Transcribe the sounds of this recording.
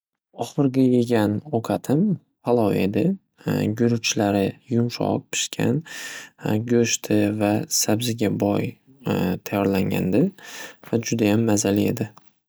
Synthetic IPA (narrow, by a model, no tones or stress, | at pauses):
ɒχɨɾɡʲajeɡʲanɒqʰɑt̪ʰɪm | falˠɒwe̞̰d̪ɪ | ɡʊɾʊt͡ʃʰlaɾɪjʊmʃɒ̰q̚pʰɪ̥ʃkʲʰa̰n | ɡʲɵʃt̪ʰɪvasabzɪɡʲabɒj | t̪ʰajːɒɾlaŋɡʲa̰nd̪ɪvad͡ʒʊd̪ajamːazalie̞d̪ɪ